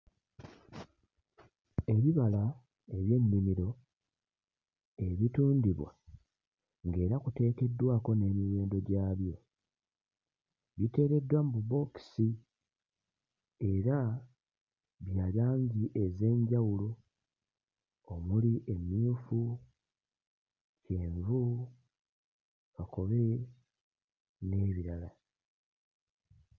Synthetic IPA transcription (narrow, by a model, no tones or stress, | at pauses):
e̞βiβala | e̞βje̞mːimiɾo̞ | e̞βituːndiβwa̰ | ŋɡe̞ːɾakute̞ːkedwaːko̞ne̞ːmiwe̞ːndo̞ɟaːβjo̞ | βite̞ːɾe̞dːwambubo̞ksi | e̞ɾa | βjaːlaːɲɟiʔe̞ze̞ːɲɟawulo | omuliʔemjuːfu | ceːɱvu | kako̞βe̞ | ne̞ːβiɾala